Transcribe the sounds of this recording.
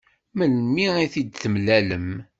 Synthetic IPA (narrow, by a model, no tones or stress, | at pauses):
məlmiiθid̪θəmlæləm